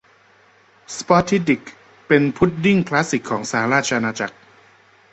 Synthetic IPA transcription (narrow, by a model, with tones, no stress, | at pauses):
spɔ˦˥t̪ʰi˦˥t̪i˨˩k | pe˧npʰu˦˥˩t̪̚di˥˩ŋkʰla˦˥si˨˩kʰːɔː˩˦ŋsaː˩˦ɾaː˥˩t͡ɕʰa˧ʔa˧naː˧t͡ɕa˨˩k̚